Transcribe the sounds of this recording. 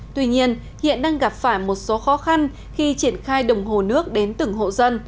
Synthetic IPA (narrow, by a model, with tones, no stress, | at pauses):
t̪wi˧ɲi˧ən | hḭ˧˨ənɗaː˧ŋɣa˨˩p̚faː˧˩jmo˨˩t̚so˨˦xɔ˨˦xa˧n | xi˧t͡ɕi˧˩ənxaː˧jɗə˨˩wŋ͡mɦo˨˩nɨ˦˥ək̚ɗe˨˦nt̪ɨ˧˩ŋɦo̰˧˨zə˧n